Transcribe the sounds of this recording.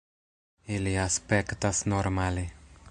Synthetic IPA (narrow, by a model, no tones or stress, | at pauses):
eliaspɛkt̪asnoɾmali